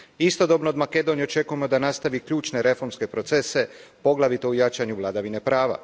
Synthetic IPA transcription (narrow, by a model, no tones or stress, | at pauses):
ist̪o̞d̪o̞bno̞ːd̪make̞d̪o̞nijet͡ʃe̞kujemo̞d̪anast̪aʋikʎuːt͡ʃne̞ɾe̞fo̞ɾmske̞pɾo̞t̪se̞se̞po̞ɡlˠaʋit̪oujat͡ʃaɲuʋlˠad̪aʋine̞pɾaːʋa̰